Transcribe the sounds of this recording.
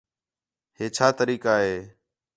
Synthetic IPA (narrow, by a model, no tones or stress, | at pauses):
ɦeːt͡ʃʰaːt̪əɾiːkaːɦeː